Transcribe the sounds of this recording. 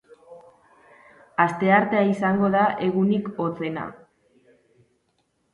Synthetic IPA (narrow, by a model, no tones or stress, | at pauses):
ast̪e̞aɾt̪eaisaŋɡo̞ðaʔe̞ɣuniko̞t͡se̞na̰